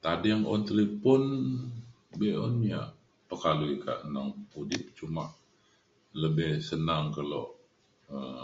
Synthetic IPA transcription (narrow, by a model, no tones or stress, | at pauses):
t̪adɛŋɔnt̪əlipʊn | bɛɔ̰nia̰ | pəkaluika̰ʔənaŋudɪp̚t͡ʃuma̰ʔ | ləbɪhsənaŋkaloʔ | ə